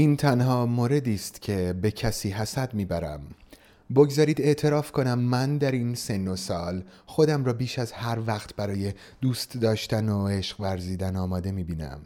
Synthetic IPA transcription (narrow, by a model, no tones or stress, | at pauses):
iːnt̪ʰænhɒːmoɾe̞d̪iːst̪cʰe̞be̞cʰæsiːɦæsæd̪miːbæɾæ̰m | bo̞ɡzɒːɾiːd̪e̞ʔt̪ʰe̞ɾɒːfkʰo̞næmːænd̪æɾinse̞nːo̞sɒːlxo̞d̪æmɾɒːbiːʃæzhæɾvæːχt̪ʰbæɾɒːje̞ | d̪̥uːst̪d̪ɒːʃt̪ænoe̞ʃɢ̥væɾziːd̪ænɒːmɒːd̪e̞miːbiːnæ̰m